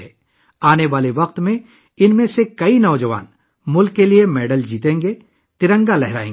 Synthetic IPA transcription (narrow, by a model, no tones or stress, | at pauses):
ɛː | aːneʋaːleʋɐqt̪mẽ | ɪnmẽsekɐinɔːd͡ʒəʋa̰ːn | mʊlkːeliemɛːɖəld͡ʒiːt̪ẽːŋɡe | t̪ɪɾə̃ŋɡalɛɦɾa̰ːẽː